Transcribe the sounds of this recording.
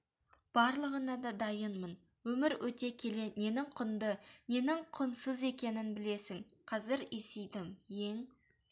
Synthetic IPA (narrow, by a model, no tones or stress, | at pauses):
b̥ɑɾlˠəʁənɑd̪ɑd̪ɑjənmən | wɵmɪɾwɵt̪e̞kʲʰe̞le̞ne̞nɪŋqʰʊnd̪əne̞nɪŋqʰʊnsəze̞kʲe̞nɪnbɪle̞sɪŋ | qʰɑzɪɾesejd̪ɪmje̞ŋ